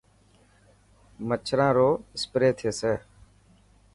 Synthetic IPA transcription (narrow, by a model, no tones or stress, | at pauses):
mət͡ʃʰɾãːɾoːɪspɾeːt̪ʰeːseː